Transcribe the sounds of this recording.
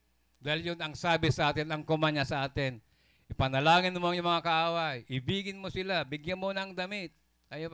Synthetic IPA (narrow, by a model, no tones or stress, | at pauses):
d̪aɦɪljʊnɐŋsaːbɪsɐʔaːt̪ɪnɐŋkʊmaɲasɐʔaːt̪ɪn | ʔɪpɐnɐlaːŋɪnmŋjʊŋmɐŋakɐʔaːwajʔɪbiːɡɪnmosɪlabɪɡjanmonɐŋd̪ɐmɪt̪̚ | ajo